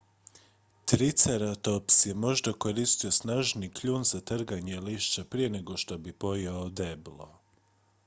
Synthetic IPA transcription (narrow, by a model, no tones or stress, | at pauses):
t̪ɾit̪seɾat̪opsjemo̞ʒd̪ako̞ɾist̪io̞snaːʒnikʎuːnzat̪r̩ɡaɲeliʃt͡ʃapɾije̞ne̞ɡo̞ʃt̪obipo̞jeod̪eblˠo̰